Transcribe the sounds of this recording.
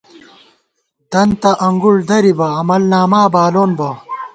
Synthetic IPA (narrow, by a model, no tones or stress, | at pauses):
d̪̥ɐnt̪ɐʔɐŋɡuɭd̪ɐɾibɐːmɐlnaːmaːbaːloːnbɐ